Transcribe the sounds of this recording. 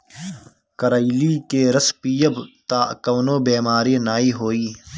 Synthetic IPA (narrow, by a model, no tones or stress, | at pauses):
kɐɾailiːkeɾɐspiːjəbt̪aːkɐːnoːbeːmaːɾinaːiːɦoːiː